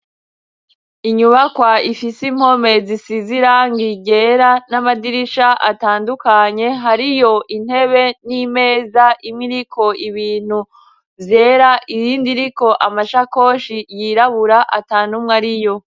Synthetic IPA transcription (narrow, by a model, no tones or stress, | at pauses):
iɲuβakwaifisim̥ho̞me̞zisiziɾaŋɡiɟe̞ːɾanamadiɾiʃaʔa̰taːndukaɲe̞ɦaɾijo̞ʔin̥he̞βe̞nime̞ːzaʔimŋiɾikʰo̞iβiːn̥hu | vje̞ːɾaʔiziːndiɾiko̞ʔamaʃako̞ːʃijiɾaβuɾaʔa̰taːnumŋaɾijo̞